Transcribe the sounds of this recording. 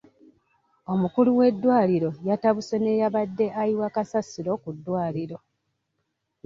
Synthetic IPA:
o̞mukuluwe̞dːwaːliɾo̞jataβusene̞jaβadːe̞ʔajiwakasasiɾo̞ːkudːwaːliɾo̞

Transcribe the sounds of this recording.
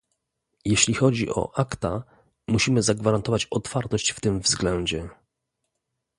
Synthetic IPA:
jeɕlʲixɔd͡ʑḭʔɔ̰ʔakt̪a | muɕimɘzaɡvaɾant̪ɔvat͡ɕɔt̪faɾt̪ɔɕt͡ɕft̪ɘmvzɡlɛɲd͡ʑɛ

